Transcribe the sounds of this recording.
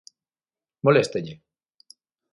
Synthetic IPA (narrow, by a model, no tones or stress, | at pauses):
molest̪eʎe